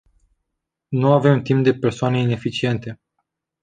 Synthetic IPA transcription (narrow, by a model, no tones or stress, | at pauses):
nuave̞mt̪imp̚d̪e̞pe̞rsoane̞ine̞fit͡ʃie̞nt̪e̞